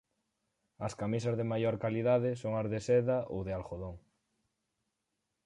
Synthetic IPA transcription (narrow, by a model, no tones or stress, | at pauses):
ɐskamisazðemajoɾkaliðaðesoŋazðesɛðaʔowðealxoðoŋ